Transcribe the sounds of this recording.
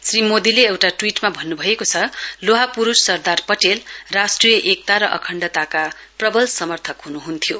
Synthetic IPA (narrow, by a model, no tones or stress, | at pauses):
srimod̪ileewʈaʈwiʈmabʱʌnːubʱʌekot͡sʰʌloɦapuɾussʌrd̪arpʌʈelrasʈrijʌʔek̚t̪aɾʌʔʌ̰kʰʌɳɖʌt̪aka | prʌbʌlsʌmʌrt̪ʰʌkɦunuɦunt̪ʰijo